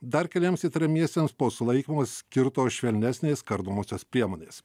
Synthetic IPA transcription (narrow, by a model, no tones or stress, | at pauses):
d̪ɐɾkʲɐlʲiɛmsit̪ɐɾʲɛmʲiɛsʲt̪ʲeːmspoːsʊlˠɐɪkʲimoːssʲkʲɪɾt̪oːsʃʲʋʲɛlʲnʲæsʲnʲeːskɐɾd̪oːmoːsʲoːspʲɾʲiɛmoːnʲeːs